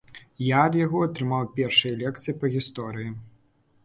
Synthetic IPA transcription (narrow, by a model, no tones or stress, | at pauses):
jaɐd̪jaɣɔɐt̪ɾɨmawpʲɛrʂɨjɐlʲɛk̚t̪sɨjipɐɣʲist̪ɔɾɨji